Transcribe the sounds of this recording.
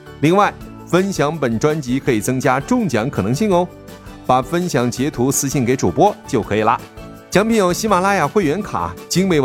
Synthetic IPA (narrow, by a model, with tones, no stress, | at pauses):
li˥˧ŋwa˥˩ɪ | fə˥nɕjɑ˧˥ŋpə˨˩nʈ͡ʂwa˥nt͡ɕi˧˥kʰɤ˧˥i˨˩t͡sɤ˥ŋt͡ɕja˥ʈ͡ʂʊ˥˩ŋt͡ɕjɑ˧˥ŋkʰɤ˨˩nɤ˧˥ŋɕi˥˩ŋo˧˥ʊ | pa˨˩fə˥nɕjɑ˧˥ŋt͡ɕjɛ˧˥t̪ʰu˧˥sɹ̩˧ɕi˥˩nke˧˥ɪʈ͡ʂu˨˩pwɔ˥t͡ɕjo˥˩ʊkʰɤ˧˥i˨˩lɐ̰˧ | t͡ɕjɑ˧˥ŋpʰi˧˥njo˧˥ʊɕi˧˥ma˨˩la˥ja˨˩xwe˥˩ɪɥɛ˧˥nkʰa̰˨˩˦t͡ɕi˥ŋwe˥˩ɪ